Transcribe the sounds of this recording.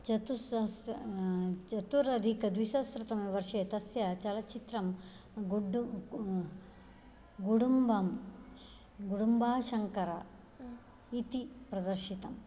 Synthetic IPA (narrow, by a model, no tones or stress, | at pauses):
t͡ʃɐt̪uss | t͡ʃɐt̪uɾɐd̪ʱikɐd̪ʋiʃɐsɾɐt̪ɐmɐʋɐɾʂeːt̪ɐsjɐt͡ʃɐlɐt͡ʃit̪ɾɐm | ɡɖu | ɡuɽumbɐm | ɡuɽumbaːʃɐŋkɐɾɐ | it̪ipɾɐd̪ɐɾʃit̪ɐm